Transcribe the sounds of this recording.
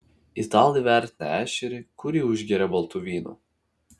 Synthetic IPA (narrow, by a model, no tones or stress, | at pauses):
it̪ɑːlˠʲiʋʲæˑɾʲt̪ʲnʲɛ̰æːʃʲɛɾʲɪkʊɾʲiːʊʒʲɡʲɛɾʲɛbɔlˠt̪uʋʲiːnṵː